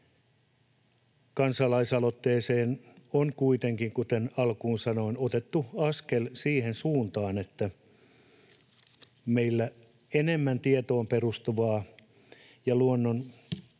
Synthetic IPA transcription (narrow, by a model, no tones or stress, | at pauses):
kɑnsɑlɑisɑlot̪ːeːseːnonkuit̪eŋkiŋkut̪enɑlkuːnsɑnoinot̪et̪ːuɑskelsiːhensuːnt̪ɑːnet̪ːæ | meilːæ | enemːænt̪iet̪oːmperust̪uʋɑː | jɑluonːon